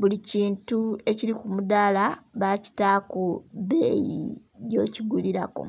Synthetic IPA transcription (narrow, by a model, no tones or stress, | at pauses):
βuliciːntue̞ciɾikumudaːlaβaci̥taːkoβe̞ːjḭ | jo̞ːciɡuliɾako̞̰